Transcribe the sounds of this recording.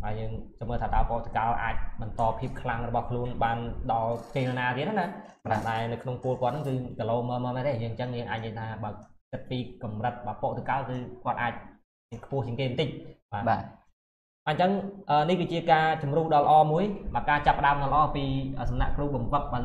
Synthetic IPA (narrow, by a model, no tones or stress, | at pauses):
ɓaəjəːŋt͡ɕɑməːlt̪ʰaːt̪aəpoʔt̪ə̥kalʔa̰ːc̚ɓɑnt̪ɑːpʰiəp̚kʰlaŋrɔɓɑhkʰluənɓaːnɗɑlkeːɾanaːt̪iət̚ːanakanahɗaɛnɨwkʰnoŋpŭəlkŏət̪̚nɨŋkɨːkəloːməːmaːmat̪eːjəːŋɲt͡ɕəŋjəːŋʔaːc̚ɲəːjt̪ʰaːɓaːkɨt̪̚piːkɑmrət̪̚ɓaːpoːʔt̪əkalkɨːkŏət̪ʔaːc̚ | iənkʰpʊ̆əht͡ɕiəŋkeːmənt̪ɨc̚ɓaː | ɓaːɲt͡ɕəŋʔəːnihkɨːt͡ɕiəkaːt͡ɕumruːhɗɑlə̰̆ʔɑːmuəjɓaːkaːt͡ɕapːə̆ɗaəmnɑləʔɑːpiːʔəːsɑmna̰ʔkruːhɓɑmʋək̚ɓaː